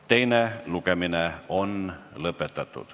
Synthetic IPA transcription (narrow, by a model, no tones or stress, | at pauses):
t̪einelukemineonlɤpːˑet̪ːɑt̪ːṵt̪